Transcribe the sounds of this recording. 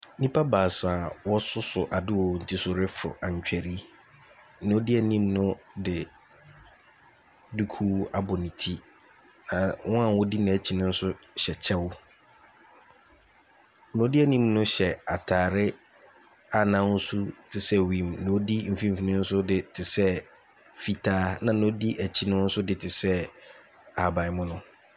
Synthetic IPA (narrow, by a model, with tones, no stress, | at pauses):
nĩ˦pʰa˦baː˨sãː˨wɔ˦sʊ˦sʊ˨ʔa˨dɪ˦wɔ˨n̩˨tʰi˨sʊ˨ɾɪ˦fʊ̰˨ʔã˨ɲ˨t͡ɕᶣɛ˨ɾi˦˨ | ʊ̃˦dɪ˦ɛ˨nĩ˦mnʊ̃˦dɪ˨ | du˦kʰuː˦a˨bʊ˨nĩ˨tʰi˦ | nã˨wɔ̃˦ã˨wɔ˦di˦nã˨t͡ɕʰi˨nʊ̃˦n̩˦sʊ˦ɕɛ˨t͡ɕʰɛ˦wʊ˦ | nʊ̃˨˦dɪ˦æ˦nĩ˦mnʊ̃˦ɕɛ˨a˨tʰaː˨ɾɪ˦ | a˨nã˦n̩˦su˦tʰɪ˨sɛ˦wĩ˨m˨nʊ̃˨˦di˦m̩˨fĩ˦m̩˨fi˨nĩ˦n̩˦sʊ˦dɪ˨tʰɪ˨sɛ˦ | fi˦tʰaː˦nã˨nʊ̃˦di˦ʔæ˨t͡ɕʰi˦nʊ̃˦n̩˦sʊ˦dɪ˨tʰɪ˨sɛ˦ | a˨bã˨ɪ˨mʊ̃˦nʊ̃˦